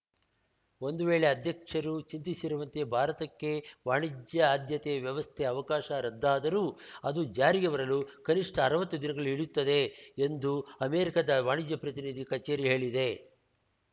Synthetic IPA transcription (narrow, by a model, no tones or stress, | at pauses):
o̞nd̪uʋeːɭe̞ɐd̪ʱjɐkʂɐɾut͡ʃint̪isiɾuʋɐnt̪e̞bʱaːɾɐt̪ɐkːe̞ʋaːɳid͡ʒjɐaːd̪ʱjɐt̪ɛɐʋjɐʋɐst̪ʰeɐʋɐkaːʃɐɾɐd̪ːaːd̪ɐɾuːɐd̪ud͡ʒaːɾiɡeʋɐɾɐlukɐniʂʈɐːɾɐʋɐt̪ːud̪inɐɡɐɭuiɭjut̪ːɐd̪e̞ːnd̪uɐmeːɾikɐd̪ɐʋaːɳid͡ʒjɐpɾɐt̪inid̪ikɐt͡ʃeːɾiɦe̞ːɭid̪e̞